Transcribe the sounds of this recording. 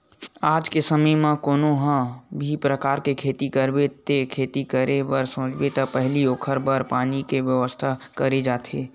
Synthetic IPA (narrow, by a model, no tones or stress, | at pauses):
aːd͡ʒkesəməjmãkoːnoɦãbʱipɾəkaːɾkekʰeːt̪ikəɾbet̪ekʰeːt̪ikəɾebəɾsõːt͡ʃbet̪apɛɦlioːkʰəɾbəɾpaːnikeʋjəʋəst̪ʰakəɾed͡ʒaːt̪ʰeː